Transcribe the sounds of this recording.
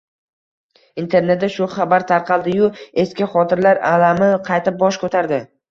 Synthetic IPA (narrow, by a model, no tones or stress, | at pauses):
int̪ʰe̞ɾne̞t̪̚d̪aʃʊχɑbaɾt̪ʰaɾqʰɑlˠd̪ɪjʊe̞skʲɪχɒt̪ʰɪɾlaɾalamɪqʰɑjt̪ʰɪp̚bɒʃkʰɵt̪ʰaɾd̪ɪ